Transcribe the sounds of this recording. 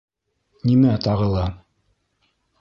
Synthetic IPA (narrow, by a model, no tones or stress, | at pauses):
nimæt̪ɑʁɤ̆lˠɑ